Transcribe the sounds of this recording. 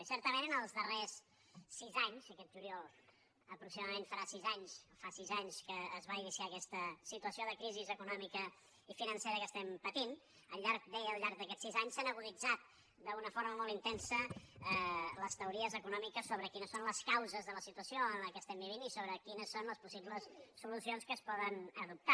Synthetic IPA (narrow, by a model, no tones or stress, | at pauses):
sɛɾt̪əmenənəlˠzðəresː | izaɲsəkɛt̪ʒuɾiɔlˠ | əpɾuksimaðəmẽnfəɾasizaɲsfasizaɲskəːzβainisiaːkɛst̪əsit̪uəsioðəkɾizizəkunɔmikə | ifinənsɛɾəkəst̪ɛmpət̪in | əʎaɾk̚d̪ɛjəlˠʎaɾɡ̚d̪əkɛsizaɲsanəɣuzid͡zat̪̚ | d̪əunəfoɾməmolˠint̪ɛnsə | ləst̪əuɾiəzəkunɔmikəsoβɾəkinəsonləskawzəzðələsit̪uəsioənləkɛəst̪ɛmbiβ̞inisoβɾəkinəsːonləspusiβləsːulusionskəːspɔðənəðup̚t̪a